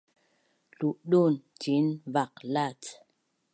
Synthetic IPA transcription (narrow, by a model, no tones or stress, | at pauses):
luʔɗontinvak̚lat